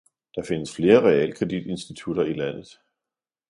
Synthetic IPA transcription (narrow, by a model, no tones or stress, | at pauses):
d̥ɑ̈fe̝nəsfle̝ːɐʁɛɛ̰lkʰʁɛd̥id̥e̝nsd̥it͡sʰuɾ̥ɐilæn̰ð̞̩ˠ